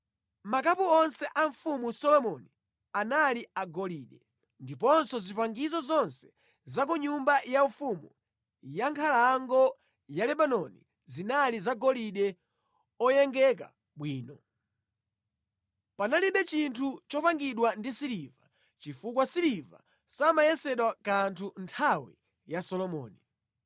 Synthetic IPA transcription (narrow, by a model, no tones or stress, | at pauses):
mak̬apuɔnsɛʔaɱfumusɔlɔmɔni | analiaɡɔliɗɛ | ndipɔnsɔzipaŋɡizɔzɔnsɛ̥ | zak̬uɲumbajaɱfumu | jaŋkʰalaŋɡɔ | jalɛɓanɔnḭ | zinalizaɡɔliɗɛ | ɔjɛŋɡɛk̬a̰ | ɓwiːnɔ | panaliɓɛt͡ʃintʰut͡ʃɔpaŋɡiɗwandisiɾiva | t͡ʃifukwasiɾiva̰ | samajɛsɛɗwakantʰuntʰawḭ | jasɔlɔmɔ̰ːni